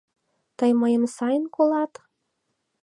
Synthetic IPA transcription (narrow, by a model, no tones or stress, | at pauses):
t̪əjməjəmsɑjənkolɑt̪